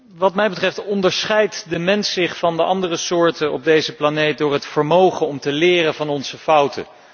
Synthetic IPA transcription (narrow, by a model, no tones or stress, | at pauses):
ʋɑtmɛjbətrɛftɔndəɹsχɛjtdəmɛnsɪχfɑndəʔɑndərəsʊːɹtəɔ̰b̚dejzəplanejt̚dʊːɹɦətfəɹmowχənɔmtəlɪːrənvɑnɔnz̥əfʌwtʰə̰